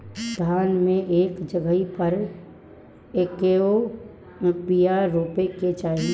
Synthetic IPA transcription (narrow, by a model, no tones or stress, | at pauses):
d̪ʱaːnmẽʔeːkd͡ʒəɡəipəɾ | eːkeo | pijaɾoːpeket͡ʃaːɦi